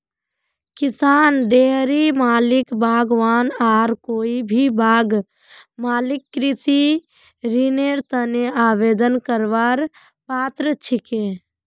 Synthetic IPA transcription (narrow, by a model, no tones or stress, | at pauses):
kɪsaːnɖeːɦɾimaːlɪkbʱaːɡʋaːnaːɾkoːibʱibʱaːɡ | maːlɪkːɾɪsi | ɾineːɾt̪əneaːʋeːd̪ənkəɾʋaːɾ | paːt̪ɾət͡ʃʰɪkẽː